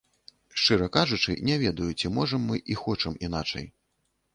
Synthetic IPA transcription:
ʂt͡ʂɨɾɐkaʐut͡ʂɨ̰nʲɛvʲɛd̪ɐjut͡sʲimɔʐɐmːɨʔixɔt͡ʂɐminat͡ʂɐ̰j

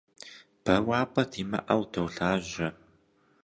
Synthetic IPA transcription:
b̥ɐwaːpʼɐtʰiːmɐ̰ʔɐwdʰɐwɬaːʑɐ

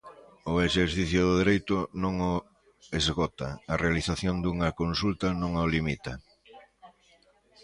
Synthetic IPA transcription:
ʊeʃeɾθiθjʊðʊðeɾejt̪ʊnõŋo | ezɣɔt̪ɐːrealiθaθjond̪uŋɐkonsult̪ɐnõŋolimit̪ɐ

